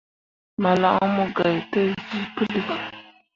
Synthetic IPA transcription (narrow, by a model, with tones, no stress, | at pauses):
ma˨la̰˦ʔmu˦ɡa˨jtə˦zi˦pə˦də˨